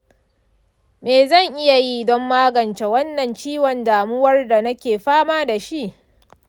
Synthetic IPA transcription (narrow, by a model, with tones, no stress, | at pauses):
meː˨zɐ˦˨ŋʔɪ˦ja˨ji˦˨dɔ˦mːaː˦ɡɐ˨nt͡ʃe˨wɐ˦nːɐ˨nt͡ʃiː˦wɔ˨ndaː˨mʊ˦wɐ˦rda˨nɐ˦kʲeː˨ɸaː˦maː˦da˨ʃi˦ʔ